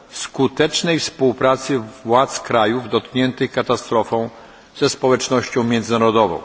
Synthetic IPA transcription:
skut̪ɛt͡ʂnɛjfspuwpɾat̪sɘwat̪skɾajuvd̪ɔt̪̚kɲɛnt̪ɘxkat̪ast̪ɾɔfɔ̃w̃ | z̥ɛspɔwɛt͡ʂnɔɕt͡ɕɔ̃w̃mʲjɛnd̪zɘnaɾɔd̪ɔvɔ̰̃w̃

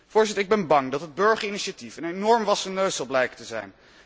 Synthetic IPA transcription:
v̥ʊːɹzɪtəɹɪɡ̚bɛnbɑŋdɑtɦəd̚bɵɹχəɹiniʃatifənenɔɹmʋɑsənøɥsɑlˠblɛjkətəzɛ̰jn

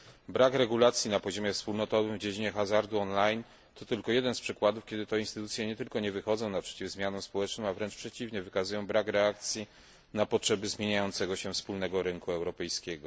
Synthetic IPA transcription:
bɾakɾɛɡulat̪sʲjinapɔʑɔmʲjɛfspulnɔt̪ɔvɘmvd͡ʑed͡ʑiɲɛxazaɾd̪uɔnlajn | t̪ɔt̪ɘlkɔjɛd̪ɛnspʂɘkwad̪ufkʲɛd̪ɘt̪ɛinst̪ɘt̪ut̪sʲjɛɲɛt̪ɘlkɔɲɛvɘxɔd̪zɔ̃w̃napʂɛ̥t͡ɕivzmʲjanɔ̃spɔwɛt͡ʂnɔ̃mavɾɛnt͡ʂpʂɛt͡ɕivɲɛvɘkazujɔ̃w̃bɾakɾɛak̚t̪sʲji | napɔtʂɛbɘzmʲjeɲajɔnt̪sɛɡɔɕɛfspulnɛɡɔɾɘŋkuɛwɾɔpɛjskʲɛɡɔ

